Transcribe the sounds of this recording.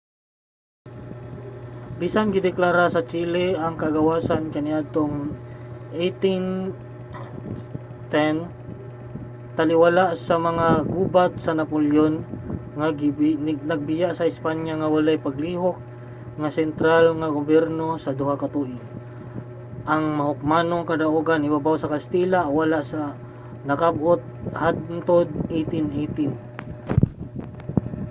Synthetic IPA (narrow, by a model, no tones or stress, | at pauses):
bisanɡɪd̪ɪklaɾasɐt͡ʃiːlɛʔaŋkaɡɐwasankɐnɪʔad̪̚t̪oŋ | ʔejt̪in | t̪ɛn | t̪ɐlɪwalaʔsɐmɐŋaɡuːbat̪̚sɐnɐpoljonŋa | nɐɡ̚bɪjaʔsɐɪspaɲjaŋawalajpaɡliːɦok̚ | ŋasɛnt̪ɾalŋaɡʊbjɛɾnosɐd̪ʊhakat̪uʔɪ | ʔaŋmɐhʊk̚manoŋkɐd̪aʔuɡanɪbabawsɐkast̪iːlawalaʔsa | nɐkabʔot̪̚had̪nt̪od̪̚it̪ɪnʔit̪ɪn